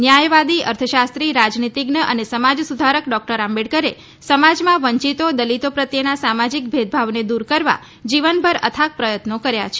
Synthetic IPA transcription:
njajʋad̪iəɾt̪ʰəʃast̪ɾiɾad͡ʒnit̪iɡnəʔənesəmad͡ʒsud̪ʱaɾəkɖɔk̚ʈəɾãmbeɽkəɾe | səmad͡ʒmãʋəɲt͡ʃit̪od̪əlit̪opɾət̪jənasamad͡ʒik̚bʱed̪̚bʱaʋned̪uɾkəɾʋa̰ | d͡ʒiʋənbʱəɾə̰t̪ʰak̚pɾəjət̪nokəɾjat͡ʃʰe

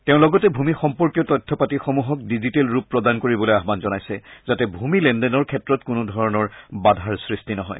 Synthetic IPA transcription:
teʊ̃lɔɡɔtɛbʱumixɔmpɔɹkjɔtɔjtʰːɔpatixomuɦɔkdizitelɹupːɹɔdankoɹibɔlojaɦbanzɔnajsɛ̰zatɛbʱumilɛndɛnɔɹkʰɛtɹɔtkunudʱɔɹɔnɔɹbadʱaɹsɹistinɔɦɔ̰j

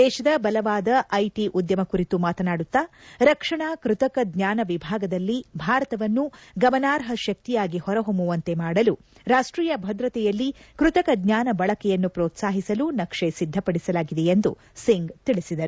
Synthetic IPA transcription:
d̪ɛːʃɐd̪ɐbɐlɐʋaːd̪ɐʔɐjʈiʔud̪jɐmɐkuɾit̪umaːt̪ɐnaːɽut̪ːaɾɐkʂɐɳakɾut̪ɐkɐd̪ɲaːnɐʋibʱaːɡɐd̪ɐlːibʱaːɾɐt̪ɐʋɐnːuɡɐmɐnaːɾɦɐʃɐk̚t̪ijaːɡihɔɾɐɦombuʋɐnt̪e̞maːɽɐlu | ɾaːʂʈɾiːjɐbʱɐd̪ɾɐt̪ɛjɐlːikɾut̪ɐkɐɡ̪ɲaːnɐbɐɭɐkɛjɐnːupɾɔːt̪saːɦisɐlunɐkʂesid̪ʱːɐpɐɽisɐlaːɡid̪ejend̪ṵ | siŋɡt̪iɭisid̪ɐɾu

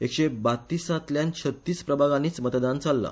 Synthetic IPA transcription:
ekɕebat̪ːiːsat̪ljãnt͡ɕʰət̪ːiːspɾəbʱaɡaniːt͡smət̪d̪ant͡salːa̰

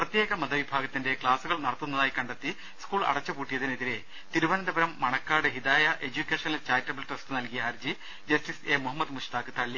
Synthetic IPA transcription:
prɐt̪jeːɣɐmɐd̪ɐʋibʱaːɡɐt̪ːinde̞kɭaːsuɣɐɭnɐɽɐt̪ːunːɐðaːjkɐɳɖɐt̪ːi | skuːɭɐ̰ɽɐt͡ɕːɐpuːʈːijɐðineðiɾe̞ | t̪iɾuʋɐnnd̪ɐbɐɾɐmːɐɳɐkːaːɽɨɦid̪aːjɐʔe̞d͡ʑukʲːeːʂɐnɐlt͡ɕaːjtːɐbɐlʈestɨnɐlkijɐɐɾd͡ʑi | d͡ʑɐstiseːmuɦɐmːɐd̪muʂt̪aːkɨt̪ɐɭːi

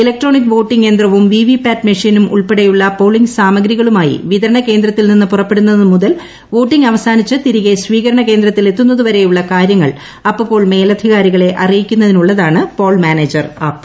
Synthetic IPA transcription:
ilek̚ʈro̞ːnik̬ːʋo̞ːʈːiŋɡe̞ːnd̪rɐʋumʋiːʋipːaːʈmɐʂinumʔṵɭpeɽejuɭːɐpo̞ːɭiŋɡsaːmɐɡɾiɣɐɭumaːjḭʋiðɐɾɐɳɐke̞ːnd̪ɾɐt̪ːilninːɨpurɐpːe̞ɽunːɐðɨmuðɐl | ʋo̞ːʈːiŋɡɐʋɐsaːnit͡ɕːɨt̪iɾiɣe̞sʋiːɣɐɾɐɳɐke̞ːnd̪ɾɐt̪ːile̞t̪ːunːɐðuʋɐɾe̞juɭːɐkaːɾjɐŋːɐɭ | ɐpːɨpːo̞ːɭme̞ːlɐd̪ʱiɣaːɾiɣɐɭe̞ʔɐrijikʲːunːɐðinuɭːɐðaːɳɨpo̞ːɭmaːneːd͡ʑɐrɐpː

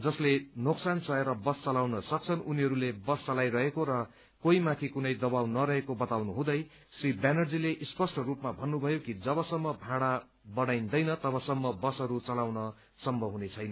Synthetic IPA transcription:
d͡zʌslenoksant͡sʌeɾʌbʌst͡sʌlawnʌsʌk̚t͡sʰʌnuniɦʌɾulebʌst͡sʌlajrʌɦekoɾʌ | koimãt̪ʰikunʌjd̪ʌbawnʌɾʌɦekobʌt̪awnuɦũd̪ʌj | sribanʌrd͡zileʔispʌsʈʌrupmabʱʌnːubʱʌjokid͡zʌβʌsʌmːʌbʱaɽa | bʌɽajnd̪ʌjnʌt̪ʌbʌsʌmːʌbʌsɦʌɾut͡sʌlawnʌ | sʌmːʌɦunet͡sʰʌjnʌ

